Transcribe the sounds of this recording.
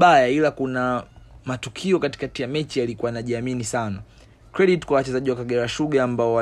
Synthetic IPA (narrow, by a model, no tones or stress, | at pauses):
ɓajailakunamatukʰiɔkati̥katijamɛt͡ʃijalikuwanaʄiaminisana | kɾɛɗiti̥kwawat͡ʃɛzaʄiwakaɠɛɾaʃuɠaːmbaɔwa